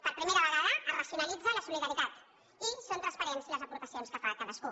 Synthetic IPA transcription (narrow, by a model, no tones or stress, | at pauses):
pəɾpɾimeɾəβəɣaðərəsjunəlid͡zələsuliðəɾit̪at̪ | isont̪ɾəspəɾɛnsiləzəpuɾt̪əsionskəfaːkaðəsku